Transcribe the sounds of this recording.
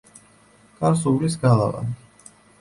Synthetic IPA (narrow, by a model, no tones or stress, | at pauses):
kʼaɾsuvlisɡalˠa̰va̰n